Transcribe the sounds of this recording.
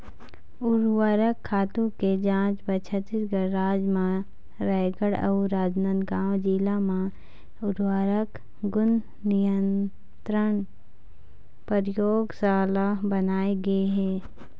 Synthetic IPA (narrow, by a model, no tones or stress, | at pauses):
ʊɾwaːɾəkʰːaːt̪ũked͡ʒãːt͡ʃbət͡ʃʰət̪ɪɾɡəːaːd͡ʒmã | ɾɛːɡəɽə̰ʊɾaːd͡ʒnə̃nɡaːwd͡ʒiːlamã | ʊɾwaːɾək | ɡʊn | nɪjən | t̪ɾəɳ | pəɾɪjoːɡsaːlabənaːeɡɐeɦɛː